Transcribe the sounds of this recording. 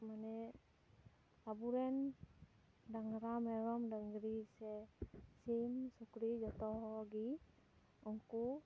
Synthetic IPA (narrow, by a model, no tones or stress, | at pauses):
manɛ | abuɾɛn | daŋɾamɛɾɔmdaŋɡɾisɛsimsukɾid͡ʒɔt̪ɔɦɔɡi | ɔŋku